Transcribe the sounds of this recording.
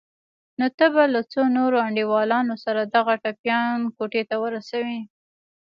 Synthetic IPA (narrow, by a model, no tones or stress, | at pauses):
not̪əbalat͡sonoɾoaɳɖiwɑlɑnosaɾad̪aɣaʈapjɑnkoʈet̪awəɾasawi